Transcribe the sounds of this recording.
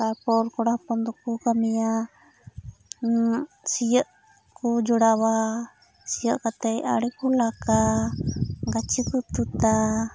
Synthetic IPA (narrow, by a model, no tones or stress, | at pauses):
apɔɾkɔɽahpɔnd̪ɔkukamija | sijəʔ | kud͡ʒɔɽawa | sijəʔkat̪ɛja̰ɽɛkulaka | ɡat͡ʃikut̪ut̪a